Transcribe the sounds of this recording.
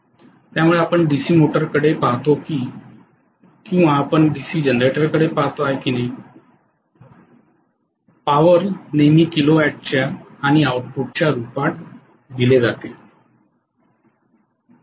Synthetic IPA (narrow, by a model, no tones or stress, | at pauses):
t̪jamuɭeapəɳɖisiːmoʈəɾkəɽepaɦt̪okiː | kĩw̃ʋaːpəɳɖisiːd͡ʑənd̪ɾeʈəɾkəɽepaɦt̪oajkiːna | paʋəɾnemiːkiloɛʈ̚t͡ɕjaːɽ̃iauʈ̚puʈ̚t͡ɕjaɾupaʈ̚ | d̪iled͡zat̪e